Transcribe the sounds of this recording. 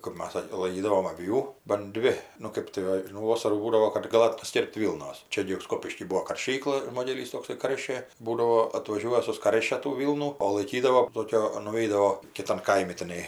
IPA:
kɜp ˈmɐs ˈsɐkʲ lˠɐɪˈkʲiːdɐʋoːm ɐˈʋʲuː bɐn ˈdʲʋʲɪ nʊ ˈkɜp tɐɪ ˈʋɐ nʊ ˈʋoːsɐruː ˈbuːdɐʋoː kɐt ɡɐˈlˠɐt pɐˈsʲkʲɪrpt ˈʋʲiːlˠnoːs ˈt͡ʃʲɛ ɡʲɪ ɪr ˈskoːpʲɪʃʲkʲiː ˈbuɔ kɐrʲˈʃʲiːklˠɐ ˈmoːdʲɛlʲiːs toːkˈsɐɪ ˈkɐrʲʃʲeː ˈbuːdɐʋoː ɐtʋɐˈʒʲuɔjɛ sʊˈskɐrʲʃʲɛ tuː ˈʋʲiːlˠnuː oː lˠɐɪˈkʲiːdɐʋoː ˈtoːkʲoː nʊˈʋʲɛɪdɐʋoː kʲɪˈtɐn ˈkɐɪmʲɪ tʲɪˈnɐɪ

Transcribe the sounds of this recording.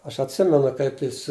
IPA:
ˈɐʃ ɐtʲˈsʲɪmʲɛnʊ ˈkɐɪp jɪs

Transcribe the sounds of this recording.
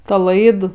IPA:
ˈtɐ ˈlˠɐɪt

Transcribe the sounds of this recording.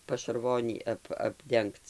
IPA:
pɐʃɐrˈʋoːnʲiː ˈɐp ɐbʲˈdʲɛŋkt͡s

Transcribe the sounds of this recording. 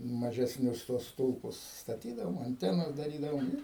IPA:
mɐʒʲɛsʲˈnʲʊs tuɔs ˈstʊlˠpʊs stɐˈtʲiːdɐʋoːm ɐnʲˈtʲæːnɐs dɐˈrʲiːdɐʋoːm ɪ

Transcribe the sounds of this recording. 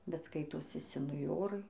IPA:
bʲɛt ˈskɐɪtoːsʲɪ sʲɛnʊˈjoːrɐɪ

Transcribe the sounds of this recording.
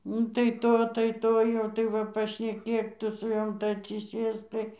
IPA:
ˈnʊ tɐɪ ˈtoː tɐɪ ˈtoː jɛʊ tɐɪ ˈʋɐ pɐʃʲnʲɛˈkʲeːk ˈtʊ sʊ ˈjoːm tɐɪ ɐtʲsʲɪˈsʲeːsk ˈtɐɪ

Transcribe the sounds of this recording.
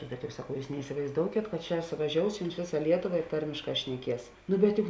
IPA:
bʲɛt jɛʊ sɐˈkɐʊ ˈjuːs nʲɛɪsʲɪʋɐɪzˈdoːʊkʲeːt kɐt ˈt͡ʃʲɛ sʊʋɐˈʒʲoːʊs ˈjʊms ˈʋʲeːˌsɐ ˈlʲiɛtoːˌʋɐ ɪ ˈtɐrʲmʲeːʃˌkɑː ʃʲnʲɛˈkʲiɛs nʊ bʲɛt ˈjʊk

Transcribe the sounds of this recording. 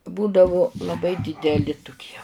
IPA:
ˈbuːdɐʋʊ lˠɐˈbɐɪ dʲɪdʲɛˈlʲɪ tʊˈkʲiɛ

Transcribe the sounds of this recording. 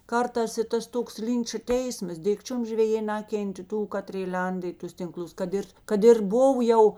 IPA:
ˈkɐrˌtɑːs ɪ ˈtɐs ˈtoːks ˈlʲɪnt͡ʃɐ ˈtʲɛɪsmɐs ˈdʲɪkt͡ʃʲʊm ʒʲʋʲɛˈjeː ˈnɑːkʲɛnʲtʲeː ˈtuː ˈkɑːtʲrʲeː ˈlʲɛndɐ ɪ ˈtʊs tʲɪŋˈklˠʊs kɐt ˈɪr ˈkɐt ɪr ˈbʊw jɛʊ

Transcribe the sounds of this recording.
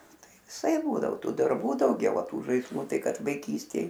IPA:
ˈtɐɪ ʋʲɪˈsɐɪp ˈbuːdɐʋoː ˈtuː dɐrˈbuː dɐʊˈɡʲɛʊ ɐ ˈtuː ʒɐɪsˈlˠʊ ˈtɐɪ ˈkɐt ʋɐɪˈkʲiːsʲtʲeːj

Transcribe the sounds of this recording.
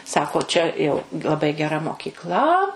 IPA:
ˈsɑːkoː ˈt͡ʃʲɛ jɛʊ lˠɐˈbɐɪ ɡʲɛˈrɐ moːkʲiːkˈlˠɐ

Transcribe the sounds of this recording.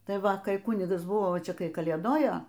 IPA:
ˈtɐɪ ˈʋɐ kɐɪ ˈkʊnʲɪɡɐs ˈbʊʋoː ˈt͡ʃʲɛ ˈkɐɪ kɐlʲeːˈdoːjoː

